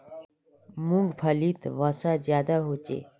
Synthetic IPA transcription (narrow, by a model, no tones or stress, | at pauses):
mũŋɡpʰəliːt̪ʋasazjaːd̪aɦoːt͡ʃḛː